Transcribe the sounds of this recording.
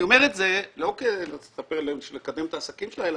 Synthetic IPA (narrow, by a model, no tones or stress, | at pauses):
omeʁet̪ze̞lo̞kent͡se̥sapeʁleʃlekad̪e̞mt̪aːsakimʃelaela